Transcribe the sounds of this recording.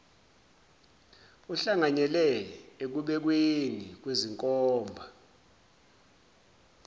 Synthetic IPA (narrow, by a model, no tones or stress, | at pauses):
uɬaŋaɲɛlɛek̬uɓɛk̬wenik̬weziŋkʼɔːmbʱa